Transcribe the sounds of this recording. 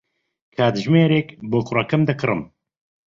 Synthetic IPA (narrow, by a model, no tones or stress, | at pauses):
kʰaːd̪ɨʒmeːɾeːkboːkʊrɐkɨmd̪ɨkɨrɨm